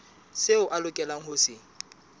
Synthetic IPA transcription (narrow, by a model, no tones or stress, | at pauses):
seʊʔalʊkʼɛlaŋ̩hʊsɪ